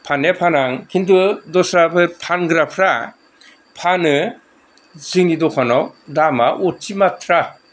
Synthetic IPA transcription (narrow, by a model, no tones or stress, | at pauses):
pʰanjapʰanaŋkʰindudɔsɾabʰɯpʰanɡɾapʰɾa | pʰanɯ | zɯŋnidɔkʰanɔwdamaʔɔtt͡ʃimatʰɾa